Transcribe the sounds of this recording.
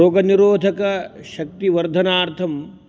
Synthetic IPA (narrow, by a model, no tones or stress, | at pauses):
oːɡɐniɾoːd̪ʱɐkɐʃɐk̚t̪iʋɐɾd̪ʱɐnaːɾt̪ʰɐm